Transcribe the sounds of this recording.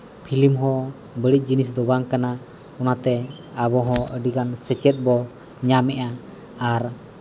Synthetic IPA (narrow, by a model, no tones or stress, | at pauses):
pʰilimɦɔ̃ | bəɽic̪̚ˀd͡ʒinis̬d̪ɔbaŋkana | ɔnat̪ɛ | abɔɦɔ̃əɖiɡansɛt͡ʃɛt̪̚bɔ | ɲamɛʔa | aɾ